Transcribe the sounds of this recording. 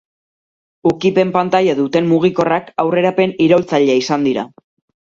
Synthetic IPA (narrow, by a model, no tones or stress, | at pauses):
ukipe̞mpant̪ajaðut̪e̞mmuɣ̞iko̞rakawre̞ɾape̞niɾo̞lt͡saʎeaisand̪iɾa̰